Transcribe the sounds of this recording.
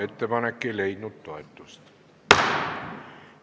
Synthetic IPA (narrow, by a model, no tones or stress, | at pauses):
et̪ːemɑnekːeleit̪nut̪ːoet̪ːust̪